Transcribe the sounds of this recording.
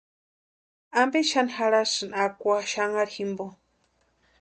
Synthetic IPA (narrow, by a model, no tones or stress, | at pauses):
ambeʃanixaɺasɨnakʷaʃaŋaɾihimbo